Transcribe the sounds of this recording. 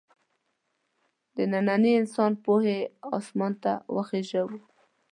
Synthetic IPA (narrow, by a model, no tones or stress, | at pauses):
d̪ənananiɪnsɑnpoheɑ̰smɑnt̪a̰wəxeʒawu